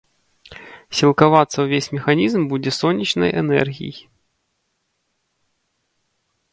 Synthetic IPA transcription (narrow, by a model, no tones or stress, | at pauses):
sʲilˠkavat̪səwvʲesʲmʲɪxanʲizmbud͡zʲɛsɔnʲːit͡ɕnə̰jʔɛ̰nɛ̰rɣʲḭj